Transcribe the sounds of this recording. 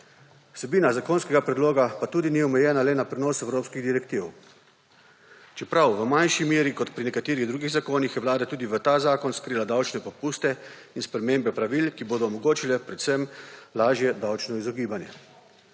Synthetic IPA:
w̥sɛbiːnazakoːnskɛɡapɾɛd̪loːɡapat̪uːd̪iniɔmɛjɛːnalɛnapɾɛnoːsɛwɾoːpskiɣd̪iɾɛkt̪iw | t͡ʃɛpɾawʋəmanʃimjeːɾikɔt̪pɾinɛkat̪eːɾiɣd̪ɾuːɡiɣzakoːnixjɛʋwlaːd̪at̪uːd̪iʋət̪aːzaːkɔnskɾiːlad̪awt͡ʃnɛpɔpuːst̪ɛinspɾɛmeːmbɛpɾaʋilkiboːd̪ɔːmɔɡoːt͡ʃilɛpɾɛt̪sɛmlaːʒjɛd̪awt͡ʃnɔizɔɡiːbanjɛ̰

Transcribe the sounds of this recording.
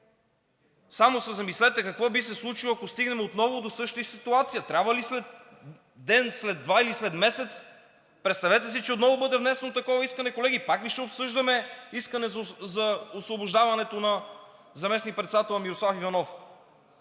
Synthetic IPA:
samosɛzɐmislɛt̪ɛkɐkvɔbisɛslˠut͡ʃilˠoɐkost̪iɡnɛmɛot̪nɔvʊd̪osɤʃt̪əsit̪uat̪sijət̪ɾʲabvɐlislɛt̪ | d̪ɛnslɛd̪vailislɛt̪mɛsɛt̪s | pɾɛt̪st̪ɐvɛt̪ɛs̬it͡ʃɛot̪nɔvʊbɤd̪ɛvnɛsɛnot̪ɐkɔvɐiskənɛkolɛɡipakliʃɛopsɤʒd̪ɐmɛiskənɛzzɐosvobʊʒd̪avɐnɛt̪onɐ | zɐmɛsnik̚pɾɛt̪sɛd̪at̪ɛlˠmiɾoslˠafivɐnɔf

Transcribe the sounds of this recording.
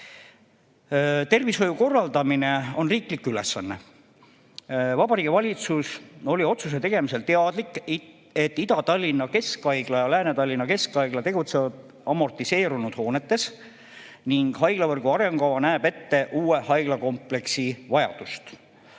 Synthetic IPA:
t̪e̞rvisɦo̞juko̞rːɑld̪ɑmineo̞nriːklikːyle̞sːɑnːe̞ | vɑbɑɾiːɡivɑlʲit̪suso̞lʲio̞t̪sus̬e̞t̪e̞ɡ̥e̞mise̞lt̪eɑd̪̥likːˑ | e̞t̪ːid̪ɑt̪ɑlʲːinːɑke̞skɑjɡ̥lɑjɑlæːnet̪ɑlʲːinːɑke̞skɑjɡ̥lɑt̪e̞ɡut̪sevɑd̪̥ | ɑmo̞rt̪ˑise̞ːɾunud̪̥ho̞ːne̞t̪ːe̞s | niŋɡ̥hɑjɡ̥lɑvɤrɡ̥uɑɾe̞ŋɡ̥ɑwɑnæːbe̞t̪ːe̞ʔuːe̞hɑjɡ̥lɑko̞mple̞ksivɑjɑ̰d̪̥ust̪

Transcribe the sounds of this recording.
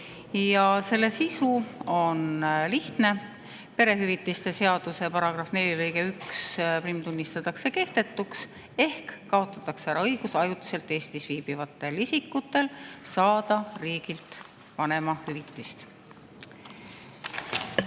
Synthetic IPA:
jɑse̞lːe̞sisuo̞nliht̪ne̞ | pe̞ɾe̞ɦyvit̪ːˑist̪e̞se̞ɑd̪̥use̞pɑɾɑɡ̥rɑfne̞lʲilɤjɡe̞yksprimt̪unʲːist̪ɑt̪ːˑɑkse̞ke̞ht̪e̞t̪ːˑuks | e̞hkːɑo̞t̪ːˑɑt̪ːˑɑkseæɾɑɤjɡ̥usɑjut̪ːˑi̥se̞lt̪ːˑe̞ːst̪isviːb̥ivɑt̪ːˑe̞lisikːut̪ːe̞lsɑːd̪̥ɑriːɡilt̪ | pɑne̞mɑhyvit̪ːˑist̪

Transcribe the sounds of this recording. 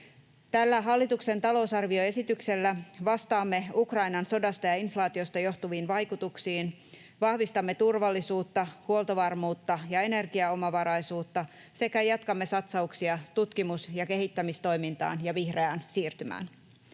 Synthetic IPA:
t̪ælːæɦɑlːit̪ukse̞nt̪ɑlo̞usɑrʋio̞e̞sit̪ykse̞lːæʋɑst̪ɑːmːe̞ukrɑjnɑnso̞dɑst̪ɑjɑinflɑːt̪io̞st̪ɑjo̞ht̪uʋiːnʋɑjkut̪uksiːn | ʋɑhʋist̪ɑmːe̞t̪urʋɑlːisuːt̪ːɑhuolt̪oʋɑrmuːt̪ːɑjɑe̞ne̞rɡiɑo̞mɑʋɑɾɑjsuːt̪ːɑ | se̞kæjɑt̪kɑmːe̞sɑt̪sɑuksiɑt̪ut̪kimusjɑke̞ɦit̪ːæmist̪o̞jmint̪ɑ̰ːnjɑʋihre̞ænsiːrt̪ymæ̰ːn

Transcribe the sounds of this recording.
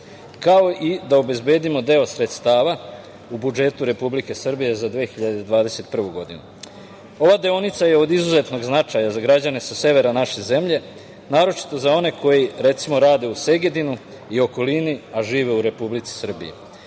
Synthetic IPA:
kao̞ʔid̪ao̞be̞zbe̞ːd̪imo̞d̪e̞o̞sɾe̞t̪st̪aːʋa | ubud͡ʒe̞t̪uɾe̞publike̞sr̩bije̞zad̪ʋeːxiʎad̪e̞d̪ʋaːd̪e̞se̞t̪pr̩ʋuɡo̞d̪inu | o̞ʋad̪eonit̪saje̞o̞d̪izuze̞t̪no̞ɡznat͡ʃajazaɡɾad͡ʑane̞sase̞ʋe̞ɾanaʃe̞ze̞mʎe̞ | naːɾo̞t͡ʃi̥t̪o̞zao̞ne̞ko̞jiɾe̞t̪simo̞ɾaːd̪e̞use̞ɡe̞d̪inu | io̞ko̞liniaʒiːʋe̞uɾe̞publit̪si̥sr̩bḭjḛ

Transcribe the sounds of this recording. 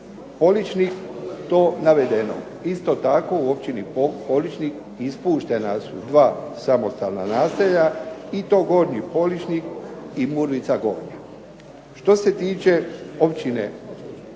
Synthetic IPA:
po̞lit͡ʃnikt̪o̞ːnaʋe̞d̪eno̰ | ist̪o̞t̪ako̞uo̞p̚t͡ɕinipo̞lit͡ʃnik | ispuːʃt̪e̞nasṵd̪ʋaːsamo̞st̪a̰lna̰naːseʎait̪o̞ːɡo̞ɾɲipo̞lit͡ʃnikimuɾʋit̪saɡo̞ɾɲa | ʃt̪o̞se̞t̪iːt͡ʃe̞o̞pt͡ɕinḛ

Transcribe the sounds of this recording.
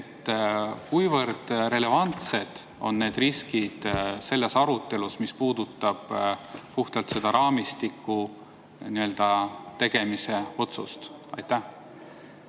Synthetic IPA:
et̪ːˑkujvɤrd̪̥ɾe̞le̞vɑnt̪se̞d̪̥ | o̞̰nːe̞ːd̪riskid̪̥se̞lːe̞sɑɾut̪ːe̞lusmispuːd̪̥ut̪ːˑɑb̥puht̪ɑlt̪se̞d̪̥ɑɾɑːmist̪ikʰːˑu | niø̞ld̪̥ɑt̪e̞ɡ̥e̞mise̞o̞t̪sust̪ɑ̰jt̪ːæh

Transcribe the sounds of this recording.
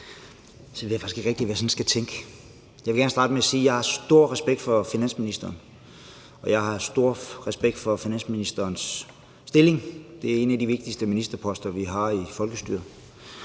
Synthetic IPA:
sɒʋeðjɑfɑ̈ɪsɡ̥e̝ɡ̥ʁeɡ̥̚d̥iʋæjsɒnsɡ̥æt͡sʰeŋ̰ɡ̥ə | jɑ̈ɪʋe̝ɡ̥æɐnsɑ̈ːd̥əmeæsiːjɑ̈ɪhɑ̈sd̥o̝ɐ̰ʁɛsb̥eɡ̥̚d̥fɒ̽finæn̰sminisd̥ɐːn | ʔɒ̽jɑ̈ɪɦɑ̈sd̥o̝ɐ̰ʁɛsb̥eɡ̥̚d̥fɒ̽finæn̰sminisd̥ɐːnsː | d̥e̝le̝ŋd̥e̝æɐe̝næd̥iʋe̝ɡ̥̚d̥isd̥əminisd̥ɐpʰɒ̽sd̥ɐʋiɦɑ̈ifɒ̽lɡ̥əsd̥y̰ːɐ

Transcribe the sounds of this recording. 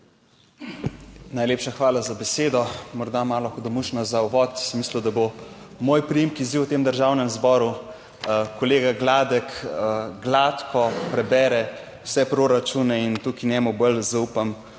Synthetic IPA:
najleːpʃaxʋaːlazabɛseːd̪ɔmɔɾd̪amaːlɔxɔd̪ɔmuʃnɔzauʋɔːt̪smislud̪abo | moːjpɾijimkiziwt̪eːmd̪əɾʒawnɛmzbɔːɾu | koleːɡaɡlaːd̪ɛkɡlaːt̪kʰɔpɾɛbɛːɾɛ | wsɛpɾoɾat͡ʃunɛint̪ukinʲɛːmubəlzaupam

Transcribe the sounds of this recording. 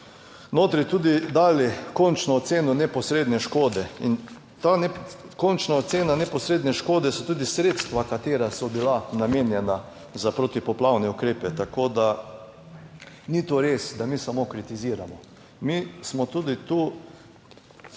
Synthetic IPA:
noːt̪ɾit̪uːd̪id̪aːlikɔnt͡ʃnɔːt̪seːnɔnɛpɔsɾeːd̪nɛʃkoːd̪ɛin | t̪anɛkont͡ʃnaɔt̪seːnanɛpɔsɾeːd̪nɛʃkoːd̪ɛsɔt̪uːd̪isɾet̪st̪ʋakat̪eːɾasɔbilanameːnjɛna | zapɾot̪ipɔplawnɛukɾeːpɛt̪akoːd̪a | nit̪oɾesd̪amiːsamokɾit̪iziːɾamɔ | mismɔt̪uːd̪it̪uː

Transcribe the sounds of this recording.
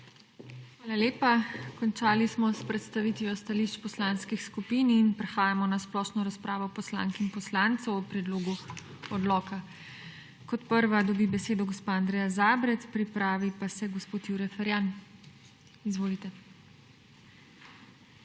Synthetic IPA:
xʋaːlaleːpakɔnt͡ʃaːlismɔspɾɛt̪st̪aʋiːt̪ʋjɔst̪aliʃt͡ʃpɔslaːnskixskupiːninpɾɛxaːjamɔnasplɔːʃnɔɾaspɾaːʋɔpɔsla̰ːŋkinpɔslaːnt̪sɔwɔpɾɛd̪loːɡu | ɔd̪lɔːka | kɔt̪pəɾʋad̪ɔbibɛseːd̪ɔɡɔspaand̪ɾɛːjazaːbɾɛt̪spɾipɾaːʋipasɛɡɔspoːt̪juɾɛfɛɾjan | izʋoːlit̪ɛ

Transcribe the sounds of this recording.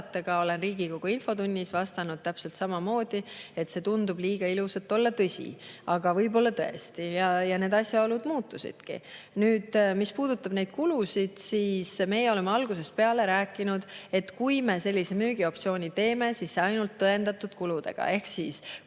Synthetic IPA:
t̪ːˑɑɡ̥ɑo̞le̞nriːɡ̥iko̞ɡ̥uinfo̞t̪unʲːisvɑst̪ɑnud̪̥̚t̪æpse̞lt̪sɑmɑmo̞ːd̪̥ie̞t̪se̞ːt̪und̪ub̥liːɡ̥ɑiluset̪ːˑo̞lːɑt̪ɤsʲḭɑɡ̥ɑvɤjbo̞lːɑt̪ɤe̞st̪ijɑjɑne̞ːd̪ɑsʲjɑo̞lud̪̥muːt̪ːˑusḭd̪̥kḭnyːd̪̥mispuːd̪̥ut̪ːˑɑb̥ne̞jd̪̥kulusʲid̪̥siːsme̞ːjeo̞le̞mːeɑlɡ̥use̞s̚pe̞ɑle̞ɾæːkːˑinud̪̥e̞t̪ːkujme̞se̞lʲːise̞myːɡ̥io̞p̚t̪sio̞ːnʲit̪e̞ːme̞siːsːeɑjnult̪ːɤe̞nd̪̥ɑt̪ːˑud̪̥kulud̪e̞̰ɡ̥ɑ̰e̞hksiːs

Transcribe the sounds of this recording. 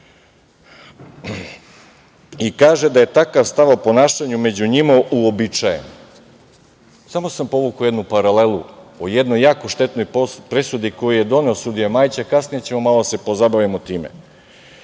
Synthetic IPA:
ikaːʒed̪aje̞t̪akaʋst̪aʋo̞po̞naːʃaɲume̞d͡ʑuɲimaʔuobit͡ʃajḛn | samo̞sampo̞ʋukaojed̪nupaɾale̞luojed̪nojːaːko̞ʃt̪e̞t̪no̞jpopɾe̞sud̪iko̞jije̞d̪o̞neosud̪ijemaːjt͡ɕakasnijet͡ɕe̞momalod̪ase̞po̞zabaʋimot̪iːmḛ

